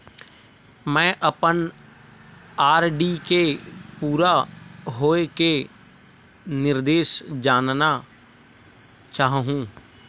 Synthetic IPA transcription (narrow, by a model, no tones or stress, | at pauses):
mɛ̃ːʔəpən | aːɾɖikepuːɾaɦoːeke | nɪɾd̪eːʃd͡ʒaːnna | t͡ʃaːɦɦũː